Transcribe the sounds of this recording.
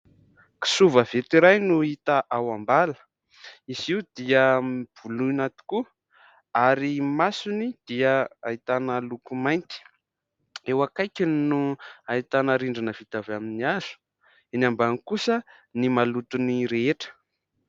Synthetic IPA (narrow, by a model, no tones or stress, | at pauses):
ki̥suvəv̥et̪iɾajnuit̪aʔawambalə̥ | iziud̪iəmiv̥uluinat̪i̥ku | aɾimasunid̪̥iəa̰it̪anəlukumajnt̪i̥ | ewakajkinnuait̪anəɾiɳɖ͡ʐinəv̥it̪avaminiaz̥u̥ | enambanikusə | nimalut̪uniɾeeʈ͡ʂə̥